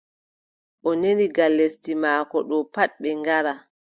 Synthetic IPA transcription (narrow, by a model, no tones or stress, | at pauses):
ɓɔneɾiɡalːestimaːkɔɗɔpaɗɓɛŋɡaɾa